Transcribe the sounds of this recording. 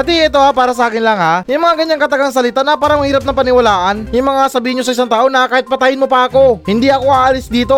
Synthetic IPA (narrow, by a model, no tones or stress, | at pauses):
pɐt̪iʔɛt̪o̞hapaːɾɐs̬ɐʔaːkɪnlɐŋhajʊŋmɐŋaɡɐɲːaŋkɐt̪ɐɡaŋs̬ɐlɪt̪anɐpaːɾɐmɐhiːɾɐp̚nɐŋpɐnɪwɐlaːʔɐnjʊŋmɐŋasɐbiːhɪnɲosɐʔɪs̬aŋt̪aːʔo̞nɐkaːhɪt̪̚pɐt̪aːjɪnmopɐɐko̞hɪnd̪iʔɐko̞ʔaʔaːlɪsd̪iːt̪o̞